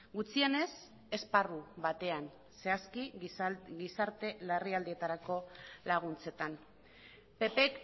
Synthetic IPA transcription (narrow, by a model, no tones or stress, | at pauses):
ɡut͡siene̞s | e̞sparuβat̪e̞an | se̞aski | ɡisaɾt̪e̞lariald̪ie̞t̪aɾako̞laɣ̞unt͡se̞t̪an | pe̞pe̞k